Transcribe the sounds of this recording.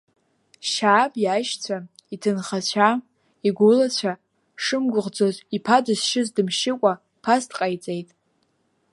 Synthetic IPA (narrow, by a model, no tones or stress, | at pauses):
ʃaːbjaʃt͡ɕʷʰaitʰɨnχat͡ɕʷʰa | iɡʷʊlat͡ɕʷʰa | ʂɨmɡʷʊʁd͡zozipʰadɨzʃɪzdɨmʃɪkʷʼa | pʰastʰʼqʼajt͡sʼe̞jtʼ